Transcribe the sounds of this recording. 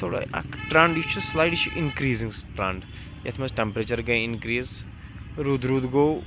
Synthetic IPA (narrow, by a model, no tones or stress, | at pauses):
t̪ʰoːɽa̰ɐ̰kʈɾaɳɖit͡ʃʰuslaːjɖt͡ʃʰuʔɪnkɾiːzĩŋɡsʈɾɐ̃ɳɖ | jɐt̪ʰmɐzʈɛmpɾeːt͡ʃɐɾɡɐɪnkɾiːz | ɾud̪ɾud̪ɡoː